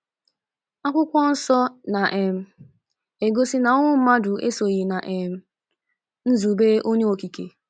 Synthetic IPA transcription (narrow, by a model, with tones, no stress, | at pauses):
a˦kʷʊ˦kʷɔ˦n̩˦sɔ˦na˨ʔe˨m̩˨ | e˨ɡo˦sɪ˦na˨ʊ˦ŋʷʊ˦m̩˦ma˦dʊ˨ḛ˦so˨ɣi˨na˨ʔe˨m̩˨ | n̩˦zu˨be˦ʔo˦ɲe˦o˨ki˨ke˨